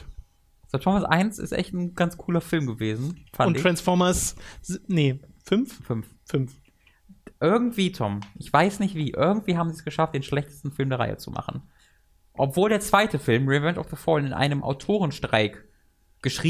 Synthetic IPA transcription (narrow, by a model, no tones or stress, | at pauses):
z̥otʰɔmɐsʔa̰ɪnsɪ̰stʔɛ̰çtn̩ɡ̥ant͡skʰuːlɐfɪlmɡəveːzn̩fanʊntɪtʁ̥ansfɔɐmɐs | nəfʏnffʏnf | fʏnf | ʔɪɐɡŋ̩tv̥iːtʰɔmʔɪçv̥aɪsnɪçtv̥iːʔɪɐɡŋ̩tv̥iːɦaːbm̩ziːɛsɡ̥əʃaft̚d̥eːnʃlɛçtə̥stn̩fɪlmdeːɐʁa̰ɪə̰t͡sṵmʔa̰χn̩ | ʔɔpv̥oːldeːɐt͡sv̥aɪtʰəfɪlmʁivɛntɔfð̥əfɔlɪnʔa̰ɪnəmʔa̰ʊtʰoːʁ̞ənʃtʁ̥a̰ɪk | ɡ̥əʃʁ̥iː